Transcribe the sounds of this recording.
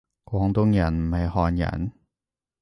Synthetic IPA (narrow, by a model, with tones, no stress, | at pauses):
kwɔː˨˥ŋt̪ʊ˧˥ŋjɐ˨˩nm̩˨˩hɐ˨˧jhɔː˨˧njɐ̰˨˩n